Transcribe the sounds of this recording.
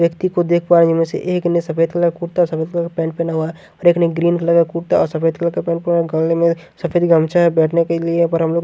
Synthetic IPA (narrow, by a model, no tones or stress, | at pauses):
jəkt̪ikod̪eːkʰpaːɾd͡ʒɪnmẽsḛʔeːknsɐfeːd̪̚keləɡkuːʈt̪aɔɾsɐfeːd̪klkepɛ̃ːɳʈpɛnaɦua | ɔːɾeːknəiɡɾiːnkaləɡakuːʈt̪aɔːɾsɐfeːd̪kləkepɛ̃ːʈpeɡəllemẽ | sɐfeːd̪ɡəmt͡ʃaɦɛbɛːʈʰnekeliepɐɾɦɐmloːɡ